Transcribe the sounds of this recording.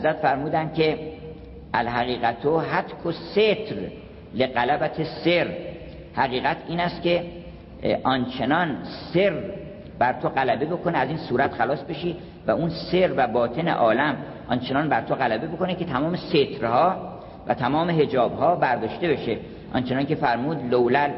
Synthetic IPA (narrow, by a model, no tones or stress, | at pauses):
hæzɾæt̪fæɾmuːd̪ænd̪̥̚kʰe̞ | ælɦæɣiːɣæt̪ʰoɦæt̪kʰoset̪ʰɾ | leɣælæbæt̪ʰeseɾ | hæɣiːɣæt̪ʰiːnæst̪ce̞ | ʔɒnt͡ʃʰe̞nɒnse̞ɾ | bæɾt̪ʰoɢælæbe̞bo̞kʰo̞neæziːnsuːɾæt̪xælɒːsbe̞ʃiː | væunse̞ɾvæbɒːt̪ʰe̞ne̞̰ʔɒːlæm | ʔɒnt͡ʃʰe̞nɒːnbæɾt̪ʰoɣælæbe̞boko̞necʰe̞t̪ʰæmɒːme̞set̪ʰɾhɒː | væ̰t̪ʰæmɒːme̞ɦe̞d͡ʒɒːbhɒːbæɾd̪ɒːʃt̪e̞be̞ʃe | ʔɒ̰nt͡ʃʰe̞nɒːnkʰe̞fæɾmuːd̪lowlæl